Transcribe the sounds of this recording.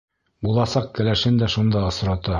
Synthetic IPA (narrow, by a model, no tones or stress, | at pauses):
bulˠɑsɑq̚kɘ̆læʃɘnd̪æʃund̪ɑɤ̆sɾɑt̪ɑ